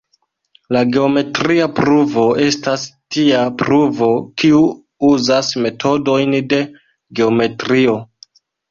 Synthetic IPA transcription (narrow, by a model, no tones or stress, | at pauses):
laɡe̞o̞me̞tɾiapɾuvo̞ʔe̞stastiapɾuvo̞kiu | uzasme̞tʰo̞do̞jnde̞ | ɡe̞ome̞tɾio̞